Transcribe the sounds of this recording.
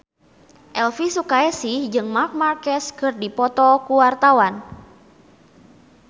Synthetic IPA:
ʔɛlfisukaɛsɪhd͡ʒɨŋmark̚markɛskɨrdipɔt̪ɔkuwart̪awan

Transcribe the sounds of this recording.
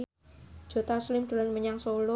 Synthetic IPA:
d̥ʒ̥o̤t̪aslɪmɖ̪̥o̤lanməɲaŋsolʊ

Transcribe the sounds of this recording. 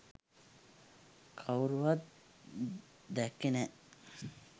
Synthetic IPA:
kʰawɾuʋat̪ | d̪ækːenɛ

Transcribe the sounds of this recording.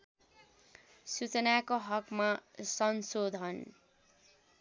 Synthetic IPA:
sut͡sʌnakoɦʌkmasʌnsod̪ʱʌn

